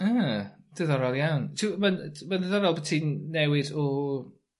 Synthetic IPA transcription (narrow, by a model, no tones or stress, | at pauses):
əːd̥ɛðɔɾɔlˠjawntʰimanmandəðɔɾɔlˠbətʰinːɛwɪdɔ